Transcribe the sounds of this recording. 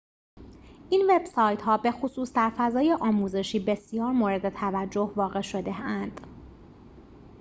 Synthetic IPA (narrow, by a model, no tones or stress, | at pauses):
ʔinve̞b̥sɒːjt̪ɦɒːbe̞xosuːsd̪æɾfæzɒːje̞ʔɒːmuːze̞ʃiːbe̞sjɒːɾmoɾe̞d̪e̞t̪ʰævæd͡ʒːo̞hvɒːɣe̞ʃo̞d̪e̞ænd̪̥